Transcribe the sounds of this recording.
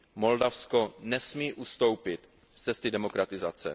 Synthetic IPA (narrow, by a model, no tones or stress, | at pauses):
mo̞ldafskonɛsmiːʔust̪o̞wpɪt̪ | st͡sɛst̪ɪdɛmo̞kɾat̪ɪzat͡sɛ̰